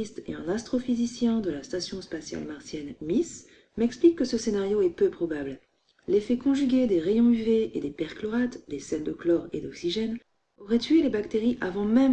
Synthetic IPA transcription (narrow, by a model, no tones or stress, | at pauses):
ist̪ḛɛ̃nast̪χɔfizisjɛ̃d̪əlast̪asjɔ̃spasja̰lmaʁsjɛnmis | mɛksplikːəsəsenaʁjoɛpøpχɔbabl | lefɛkɔ̃ʒyɡʲed̪eʁejɔ̃yveed̪epɛʁklɔʁat̪d̪esɛld̪əklɔʁḛd̪ɔksiʒɛn | ɔʁɛt̪ɥelebakt̪eʁiʔavɑ̃mɛm